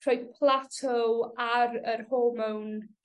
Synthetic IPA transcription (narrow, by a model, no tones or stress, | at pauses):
rojdpʰlˠatʰɔaɾərhoːmawn